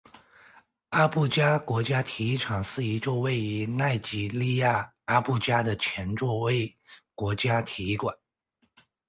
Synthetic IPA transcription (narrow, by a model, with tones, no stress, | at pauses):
a˥pu˥˩t͡ɕja˥kwɔ˧˥t͡ɕja˥t̪ʰi˧˥i˥˩ʈ͡ʂʰɑ˨˩ŋʂɹ̩˥˩i˧˥ʈ͡ʂo˥˧ʊwe˥˩ɪy˧˥na˥˩ɪt͡ɕi˨˩li˥˧ja˥˩ | a˥pu˥˩t͡ɕja˥d̪ə˨t͡ɕʰjɛ˧˥nʈ͡ʂwɔ˥˧we˥˩ɪkwɔ˧˥t͡ɕja˥t̪ʰi˧˥i˥˩kwa˨˩˦n